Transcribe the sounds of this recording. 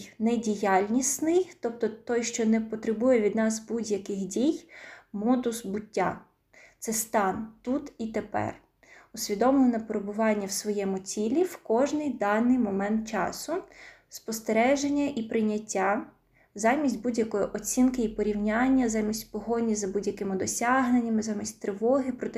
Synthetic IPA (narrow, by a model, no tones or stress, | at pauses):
nɛdʲijɑlʲnʲisnɪjt̪ɔp̚t̪ɔt̪ɔjʃt͡ʃɔnɛpɔt̪ɾɪbujɛʋʲid̪nɑzbudʲjɐkɪxdʲijmɔd̪ʊsbʊtʲːa̰ | t̪sɛst̪ɑnt̪ut̪it̪epɛ̰r | ʊsʲʋʲid̪ɔmlˠɔnɐpeɾebʊʋɑnʲːɐwsʋɔjɛmʊt͡sʲilʲiwkɔʒnɪjd̪ɑnːɪjmɔmɛnt̪̚t͡ʃɑ̰sʊ | spɔst̪eɾɛʒenʲːɐʔipɾɪjnʲɐtʲːa | zɑmʲisʲtʲbudʲjɐkɔjɔʔɔt͡sʲinkɪipɔɾʲiwnʲɑnʲːɐzɑmʲisʲtʲpɔɦɔnʲːizɐbudʲjɐkɪmɪd̪ɔsʲɑɦnenʲːɐmɪzɑmʲisʲtʲt̪ɾɪʋɔɦɪpɾɔt̪